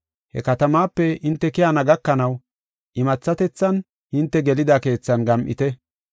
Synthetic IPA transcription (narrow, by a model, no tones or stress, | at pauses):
hɛ̰kɐt̪ɐmaːpːɛɪnt̪ːɛkɪjanɐɡɐkːɐnɐw | ʔɪmɐt͡sːɐt̪ɛt͡sːɐn | hɪnt̪ːɛɡɛlɪd̪ake̞ːt͡sːɐnɡɐmʔɪ̰t̪ɛ